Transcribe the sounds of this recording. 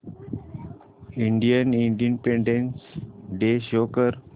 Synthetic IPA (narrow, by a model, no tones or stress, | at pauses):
ĩɳɖijəniɳɖijənpẽɳɖẽnsɖeʃoːkəɾ